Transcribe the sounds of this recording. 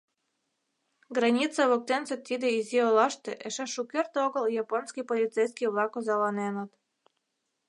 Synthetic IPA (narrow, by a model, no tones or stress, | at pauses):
ɡɾɑnʲit̪t͡sɑβok̚t̪enset̪ːid̪eizeolɑʃt̪eʔeʃeʃukʲert̪oɣəljɑponskʲipolʲit̪t͡sejskijβlˠɑkozɑlɑnenət̪